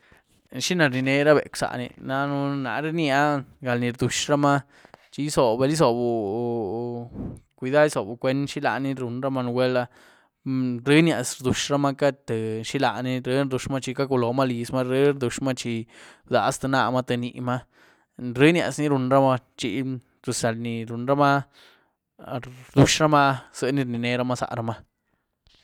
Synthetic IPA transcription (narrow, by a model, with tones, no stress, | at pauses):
ʃi˦na˧ɾni˧ne˧ɾa˦bḛ˨ksa̰˨ʔnḭ˨na˧nu˦na̰˧ɾe˦nja˦ɡa˨lni˧ɾd̪u˨ʂɾa˦ma˦ | t͡ʃi˧˦so˨be˧li˦s̬o˨bu˨ | kʷi˨˧d̪a˦i˦so˨bu˨kʷe˦nʃi˦la̰˧˨ni˦ɾu˨nɾa˦ma˧n˧wʷe˦la˧ | ɾi˦nja˨sɾd̪u˨ʃɾa˦ma˦ka˦t̪e˨ʃi˦la˧ni˦ɾɨ˦ɾd̪u˨˧ʃma˦t͡ʃi˧ka˦ku˧lo˨ma˦li˨sma˦ɾi˦ɾd̪u˨ʂma˦t͡ʃi˧d̪a˨˦st̪a˧na˧ma˦t̪e˧ni˨ma˦ | ɾɨ˦nja̰˨sni˦ɾu˧nɾa˦ma˧t͡ʃi˧ | t̪u˨sa˨lni˨ɾu˨nɾa˦ma˦ | ɾd̪u˧ʃɾa˦ma˦z̥ɨ˧ni˧ɾni˨ne˧ɾa˦ma˦sa̰˨ʔɾa˧ma˦